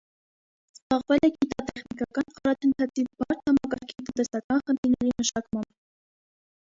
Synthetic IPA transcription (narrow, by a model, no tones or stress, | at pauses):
z̥bɑʁvɛlɛɡit̪ɑt̪ɛχnikɑkɑnqɑɾɑt̪ʰənt̪ʰɑt͡sʰibɑɾt̪hɑmɑkɑɾkʰit̪ənt̪ɛsɑkɑnχənt̪ʰiɾnɛɾiməʃɑkmɑmb